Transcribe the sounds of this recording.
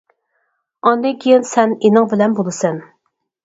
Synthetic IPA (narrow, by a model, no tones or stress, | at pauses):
ɑnd̪ɨŋkʲʰijɪnsɛnenɨŋbɪlɛnbolˠɨsɛn